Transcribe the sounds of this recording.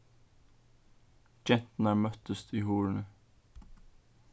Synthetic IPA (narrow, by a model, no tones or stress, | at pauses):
d͡ʒɛnt̪n̩æːɹmœt̪əst̪ʰiːhuːɹɳə